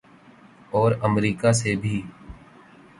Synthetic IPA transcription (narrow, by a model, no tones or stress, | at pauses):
ɔːɾəmɾiːkasebʱiː